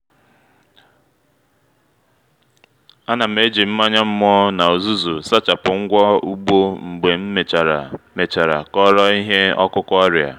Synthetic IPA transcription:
a˦na˨me˦d͡ʒi˨m̩˦ma˦ɲa˦m̩˦m˦ɔ˦na˨o˨zu˦zu˨sa˦t͡ʃa˨pʊ˨ŋ̩˦ɡʷɔ˦u˦ɡ͡bo˦ŋ͡m̩˨ɡ͡be˨m̩˦me˨me˨t͡ʃa˨ɾa˨kɔ˦ɾɔ˦i˦ɦe˦ɔ̰˦kʊ˦kʷɔ˦ɾja̰˨

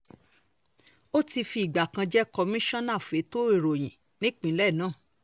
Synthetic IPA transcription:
o˦ti˧fi˧i˨ɡ͡ba˨kã˧d͡ʒɛ˦kɔ˧mĩ˦ʃɔ̃˦nã˦˨fe˨˦to˦i˦˨ɾo˨j̃ĩ˨ | nĩ˦k͡pĩ˨˦lɛ˦˨nãː˦˨

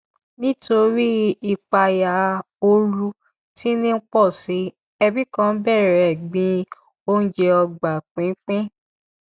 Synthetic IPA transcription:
nĩ˦to˧ɾi˦i˧k͡pa˧ja˧ | o˧ɾu˧ | ti˦nĩ˦k͡pɔ˦˨si˨˦ | ɛ˧bi˦kã˦bɛ˦˨ɾɛ˨ɡ͡bĩ˧ | o˦n̩˦d͡ʒɛ˧ɔ˧ɡ͡ba˨k͡pĩ˨˦k͡pĩ˦

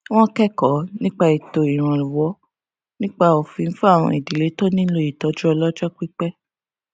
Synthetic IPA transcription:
w̃ɔ̃˦kɛ˦kɔ˨˦nĩ˦k͡pa˧i˨to˨i˨ɾ̃ã˧lu˨wɔ˨˦ | nĩ˦k͡pa˦o˨fĩ˧n̩˦fu˦a˦˨w̃ɔ̰̃˧i˨di˨le˨˦to˦nĩ˦lo˦i˨tɔ˨˦d͡ʒɔ˦ɔ˧lɔ˦d͡ʒɔ˦k͡pi˦k͡pɛ˦

